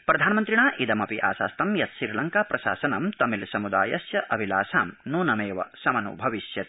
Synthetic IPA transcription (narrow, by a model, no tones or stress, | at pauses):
pɾɐd̪ʱaːnɐmɐnt̪ɾiɳaːʔid̪ɐmɐpiʔa̰ːsa̰ːst̪ɐmjɐt̪ʃiɾlɐŋkaːpɾɐʃa̰ːsɐnɐmt̪ɐmilsɐmud̪a̰ːjɐsjɐʔɐʋʱila̰ːsaːmnuːnɐmeːʋɐ̰sɐmɐnṵbʱɐʋiʃjɐt̪